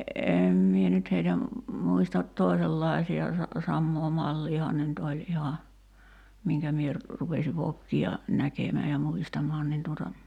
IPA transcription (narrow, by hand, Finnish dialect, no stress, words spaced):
eːm mie nyt heitæ muistɑt toiselːɑˑi̞siɑ sɑ sɑmːoː mɑlːiːhɑːn ne nyt olʲ ihɑ miŋkæ mie r rupesi ʋokːiɑ nækemæː jɑ muistɑmɑːn nin tuotɑ